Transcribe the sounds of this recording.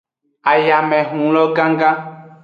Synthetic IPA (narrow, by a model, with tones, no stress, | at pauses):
a˨ja˨mɛ˨ɦũ˨lɔ˦ɡã˦ŋɡã˦